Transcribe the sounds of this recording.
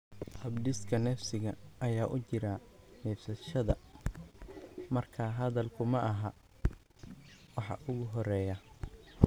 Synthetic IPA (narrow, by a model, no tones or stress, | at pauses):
hɐbɖɪskʰɐnɛːfsɪɣɐːjaːʔʊt͡ʃɪɾɐnɛːfsɐʃɐðɐ | mɐrkʰɐɦɐðɐlkʰʊmɐʔɐɦɐ | wɑħɑ̰ʔʊɣʊɦɔrɛːjɐ